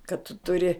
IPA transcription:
kɐt tʊ tʊˈrʲɪ

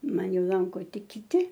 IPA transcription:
ˈmɐn ˈjɛʊ ˈlˠɐŋkoː ˈtʲɪk kʲɪˈtʲɪ

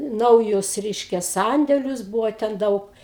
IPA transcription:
ˈnɐʊjʊs ˈrʲɛɪʃʲkʲɛ ˈsɐnʲdʲɛlʲʊs ˈbuːʋoː tʲɛn ˈdɐʊk

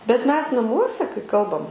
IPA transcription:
bʲɛt ˈmʲɛs nɐˈmuɔsʲɛ kɐɪ ˈkɐlˠbɐm

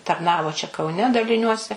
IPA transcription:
tɐrˈnɑːʋoː t͡ʃʲɛ kɐʊˈnʲɛ dɐlʲɪˈnʲuɔsʲɛ

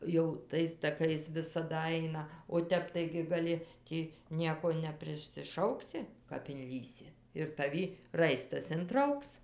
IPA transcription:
jɛʊ ˈtɐɪs tɐˈkɐɪs ʋʲɪsɐˈdɐ ˈɐɪnɐ oː ˈtʲɛp ˈtɐɪɡʲɪ ɡɐˈlʲɪ ˈtʲiː ˈnʲiɛkoː nʲɛpʲrʲɪsʲɪˈʃɐʊksʲɪ kɐp ɪnʲˈlʲiːsʲɪ ɪr tɐˈʋʲɪ ˈrɐɪstɐs ɪnˈtrɐʊks

